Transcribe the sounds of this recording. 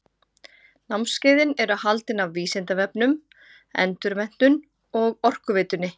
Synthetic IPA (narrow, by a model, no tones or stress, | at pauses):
nawmscɪːðɪnɛɾʏawhalt̪ɪnavviːsɪnt̪avɛpnʏm | ɛ̰nt̪ʏɾmɛn̥t̪ʏn | ɔɣɔr̥kʏvɪːt̪ʏnːɪ